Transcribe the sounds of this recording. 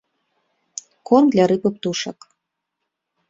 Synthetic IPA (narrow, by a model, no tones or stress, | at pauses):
kond̪lʲaɾɨpə̆p̚t̪uʃa̰k